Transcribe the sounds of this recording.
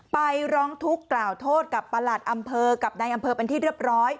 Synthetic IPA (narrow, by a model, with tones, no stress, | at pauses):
pa˧jɾɔː˦˥ŋt̪ʰu˦˥kːlaː˨˩wt̪ʰoː˥˩t̪̚ka˨˩pːa˧la˨˩t̪̚ʔa˧mpʰɤː˧ka˨˩p̚na˧jʔa˧mpʰɤː˧pe˧nt̪ʰiː˥˩ɾɯ˥˩əp̚ɾɔː˦˥j